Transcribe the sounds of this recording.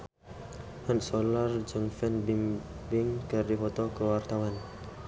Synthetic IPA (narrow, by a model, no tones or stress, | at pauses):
hansɔlard͡ʒəŋfɛnbimbɪŋkɨrdifɔt̪ɔkəwart̪awan